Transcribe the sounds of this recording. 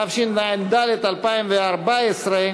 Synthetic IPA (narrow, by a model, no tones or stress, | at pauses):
afʃinnaimd̪alet̪alpaĩmveaɾbaesɾa